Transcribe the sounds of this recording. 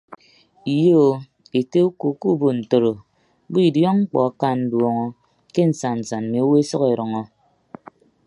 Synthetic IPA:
i˨jo˦˨ | e˨te˦u˦ku˨˦ku˦bo˨n̩˨to˨ɾo˨ | bu˦i˦˨djɔ˦ŋŋ͡m̩˦k͡pɔ̰˨a˨ka˦˨n̩˨dwɔ˨ŋɔ˦ | ke˦n̩˨sa˨n˨n̩˨sa˨n̩˨me˨o˦we˦e˦sɔ˦ke˨ɾɔ˨ŋɔ˦

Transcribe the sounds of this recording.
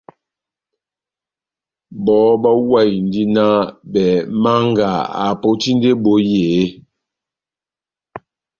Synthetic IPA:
bɔ˨˦bɔ˦wa˦˨jn̩˨di˦na˦bɛ˨ma˦ŋɡa˨a̰˨po˦ti˦n˦de˦bo˨˦je˨˦

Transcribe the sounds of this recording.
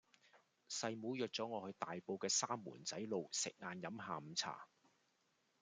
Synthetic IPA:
sɐ˧jmuː˨˧˥jœː˨k̚t͡sɔː˨˥ŋɔː˨˧hɵ˧ɥt̪aː˨jpo˧wkɛː˧saː˥mːṵː˨˩nt͡sɐ˨˥jlo˨˧wsɪ˨k̚ŋaː˨˧njɐ˨˥mɦaː˨˧m̩˨˧t͡sʰa̰ː˨˩

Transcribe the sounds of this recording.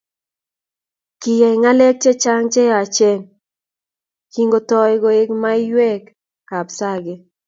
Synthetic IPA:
ki˨ja˨ɪ˨ŋa˦le˦k̚t͡ʃe˦t͡ʃa˦ŋt͡ʃe˦a˨t͡ʃe˦ŋ | ki˦ŋɡo˦tɔ˦jɡo˨ɪ˦kma˦ɪ˦jwɛ˦kː | a˨bsa˦ɡɪ˦

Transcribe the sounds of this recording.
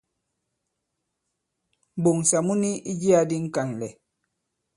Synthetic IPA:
bo˨ŋ˨sa˨mu˦ni˦i˦d͡ʒi˦a˨di˦ŋ̩˦ka˨nlɛ˨

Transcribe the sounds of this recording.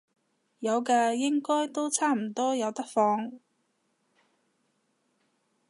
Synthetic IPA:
jɐ˨˧wkaː˧jɪ˥ŋkɔː˥jt̪o˥wt͡sʰaː˥m̩˨˩t̪ɔː˥jɐ˨˧wt̪ɐ˥k̚fɔː˧ŋ

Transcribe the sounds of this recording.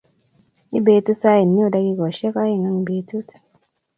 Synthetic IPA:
i˦be˨tu˦sa˦e˨nːi˦o˨da˦ɡi˦kɔ˨ʃɛ˦ka˦je˦ŋa˦ŋ˨be˨˦tu˦t

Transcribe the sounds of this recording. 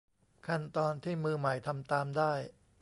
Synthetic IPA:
kʰa˥˩nt̪ɔː˧nt̪ʰiː˥˩mɯː˧ma˨˩jt̪ʰa˧mt̪aː˧mdaː˥˩j

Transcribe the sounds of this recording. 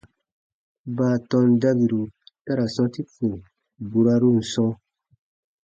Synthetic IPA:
baː˦˨tɔ̃˧nda˦bi˨ɾu˨ta˦ɾa˨sɔ̃˧ti˦fu˨ | bu˨ɾa˧ɾu˦n̩˨sɔ̃˧˦

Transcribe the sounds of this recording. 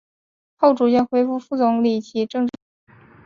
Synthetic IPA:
xo˥˩ʊʈ͡ʂu˨˩t͡ɕjɛ˥˩nxwe˥ɪfu˥˧fu˥˩t͡sʊ˧˥ŋli˨˩t͡ɕʰi˧˥ʈ͡ʂɤ˥˧ŋʈ͡ʂ

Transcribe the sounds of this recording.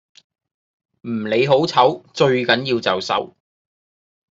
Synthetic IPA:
m̩˨˩le˨˧jɦo˨˥wt͡sʰɐ˨˥wt͡ʃɵ˧ɥkɐ˨˥njiː˧wt͡sɐ˨wsɐ̰˨˥w

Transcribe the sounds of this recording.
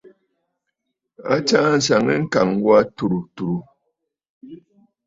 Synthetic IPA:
a̰˦t͡ʃa˦n̩˨sa˨ŋɛ˦ŋ̩˦ka˨ŋɡwa˦tu˨ɾu˨tu˨ɾu˨

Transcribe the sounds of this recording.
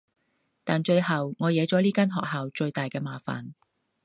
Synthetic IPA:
t̪aː˨nt͡ʃɵ˧ɥhɐ˨wŋɔː˨˧jɛː˨˥t͡sɔː˨˥liː˥kaː˥nɦɔː˨k̚ɦaː˨wt͡ʃɵ˧ɥt̪aː˨jkɛː˧maː˨˧fa̰ː˨˩n

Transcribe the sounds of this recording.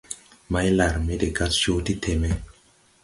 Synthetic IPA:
ma˦jla˨ɾme˦de˨ɡa˦tso˦ti˦tʰe˨me˦

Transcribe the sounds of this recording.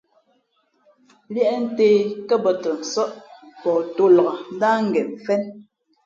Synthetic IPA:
ljɛ˦ʔɛ˦n̩˦teː˦kɛ˦bɔ˨tə˨n̩˨sɔ˦ʔpɔ˨to˦lɔ˨ɣa˨n˦da˦ŋ̩˦ɡɛ˨m˨fɛ˦n

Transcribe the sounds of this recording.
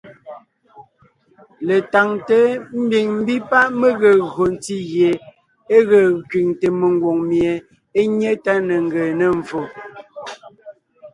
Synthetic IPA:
le˨ta˨ŋte˨˦m̩˦bi˨ŋm̩˦bi˦pa˦ʔmə˦ɣə˨ɣɰo˨n˦ti˦ɣje˨ | e˦ɣə˨kɥi˨ŋte˨mə˨ŋɡwo˨ŋmje˨ | e˦ɲe˦ta˦nə˨ŋ̩˦ɡə˨nə˨ɱ˨fo˨

